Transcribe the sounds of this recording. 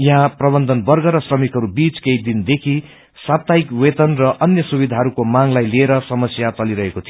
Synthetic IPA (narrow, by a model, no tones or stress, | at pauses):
jʌɦãprʌbʌnd̪ʱʌnbʌrɡʌɾʌsrʌmikɦʌɾubit͡skeid̪ind̪ekʰi | sat̪aikwet̪ʌnrʌʔʌnjʌsubid̪ʱaɦʌɾukomaŋlajlieɾʌsʌmʌsjat͡sʌliɾʌɦekot̪ʰijo